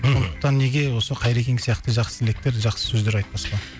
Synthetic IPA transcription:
soo̞nd̪d̪əq̚t̪ɑnːe̞ɡʲe̞wo̞səqʰɑjɾe̞kʲe̞ŋɡʲsijɑqt̪əʒɑqsəelek̚t̪e̞ɾʒɑqsə̥sɵzd̪e̞ɾɑjt̪̚pɑsqɑ

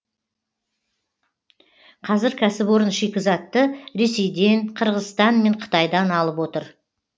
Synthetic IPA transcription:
qʰɑzɪɾkʲʰæsɪpwo̞ɾənʃekʲɪzɑt̪ːəɾe̞se̞jd̪e̞ɴqʰəɾʁəzst̪ɑnme̞ɴqʰə̥t̪ɑjd̪ɑnɑlˠəpwo̞t̪əɾ

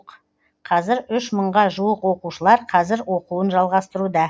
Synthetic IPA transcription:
q | qʰɑzɪɾʏʃməɴʁɑʒuwəqwo̞quʃəlˠɑɾqʰɑzɪɾwo̞quənʒɑlˠʁɑst̪əɾud̪ɑ

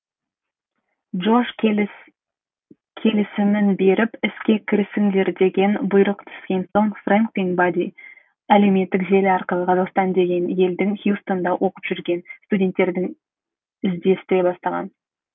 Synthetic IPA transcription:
ʒoʒ | kʲʰe̞lɪsɪmɪnbe̞ɾɪpɪskʲe̞kʲʰɪɾɪsɪŋd̪e̞ɾd̪e̞ɡʲe̞nbʊjɾəqt̪ʰʏ̥skʲe̞nso̞ŋfraŋkliŋɡbad̪ʲi | æle̞me̞t̪ːɪkʒe̞lɪɑɾqəlˠəqʰɑzɑqst̪ɑnd̪e̞ɡʲe̞nje̞ld̪ɪŋχjust̪o̞nd̪ɑwʔo̞qə̥pʒ̥ʏɾɡʲe̞nst̪udʲe̞nt̪ːe̞ɾd̪ɪŋ | ɪzd̪e̞st̪e̞bɑst̪ɑʁɑ̰n

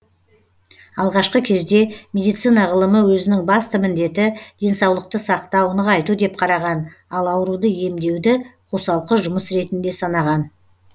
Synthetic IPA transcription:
ɑlˠʁɑʃqəkʲʰe̞zd̪e̞mʲe̞d̪ijt̪sijnɑʁəlˠəməwɵzɪnɪŋbɑst̪əmɪnd̪e̞t̪ɪd̪̥e̞nsɑwlˠəq̚t̪əsɑqt̪ɑwənəɑjt̪ud̪e̞p̚qʰɑɾɑʁɑnɑlˠɑwəɾud̪əje̞md̪e̞wd̪ɪqʰosɑlˠqəʒʊməsɾe̞t̪ɪnd̪e̞sɑnɑʁɑn

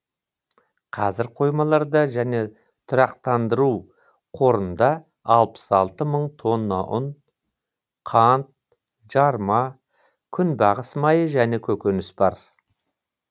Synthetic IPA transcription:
qʰɑzɪɾqʰo̞jmɑlˠɑɾd̪ɑʒæne̞ | t̪ʰʊɾɑqt̪ɑnd̪əɾuw | qʰo̞ɾənd̪ɑ | ɑlˠpə̥sɑlˠt̪əməɴt̪ʰo̞nːɑʔʊn | qʰɑnt̪̚ | ʒ̥ɑɾmɑ | kʲʰʏnbɑʁəsmɑjəʒæne̞kʲʰɵkʲenɪsbɑɾ

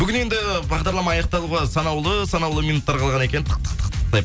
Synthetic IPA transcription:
b̥ʏɡʲɪne̞nd̪ɪbɑʁd̪ɑɾlˠɑmɑːjɑqt̪ɑlˠuʁɑsɑnɑwlˠəsɑnɑwlˠəmijnut̪ːɑɾqʰɑlˠʁɑnekʲe̞nɪnt̪ʰə̥q̚t̪ʰə̥qt̪ʰə̥qt̪ʰqt̪ɑj

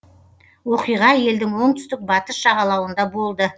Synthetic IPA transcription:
wo̞qijʁɑje̞ld̪ɪŋwo̞ɴt̪ʰʏ̥st̪ɪk̚bɑt̪əsʃɑʁɑlˠɑwənd̪ɑbo̞lˠd̪ə

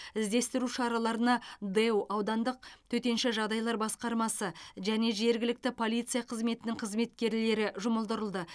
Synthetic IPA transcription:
ɪzd̪e̞st̪ɪɾuʃɑɾɑlˠɑɾənɑd̪ewɑwd̪ɑnd̪əq̚t̪ʰɵt̪e̞nʃɪʒɑʁd̪ɑjlˠɑɾbɑsqɑɾmɑsəʒæne̞ʒe̞ɾɡʲɪlɪk̚t̪ɪpʰo̞lˠijt̪sɨjɑqʰəzme̞t̪ɪnɪɴqʰəzme̞t̪̚kʲe̞ɾle̞ɾɪʒʊməlˠd̪əɾəlˠd̪ə

